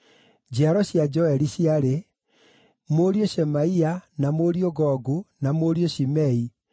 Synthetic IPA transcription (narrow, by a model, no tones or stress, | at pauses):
d͡ʑaɾɔɕjad͡ʑɔɛɾiɕiaɾe | moɾioɕɛmaianamoɾioɡɔɡunamoɾioɕimɛi